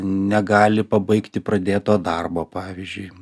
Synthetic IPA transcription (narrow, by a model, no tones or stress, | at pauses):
nʲɛɡɑːlʲɪpɐbɐɪkt̪ʲɪpɾɐd̪ʲeːt̪oːd̪ɐrboːpɑːʋʲɪzʲd͡ʒʲʊɪ